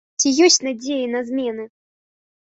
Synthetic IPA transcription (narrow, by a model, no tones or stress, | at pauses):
t͡sʲijɔsʲtʲnad͡zʲejinɐzmʲɛnɨ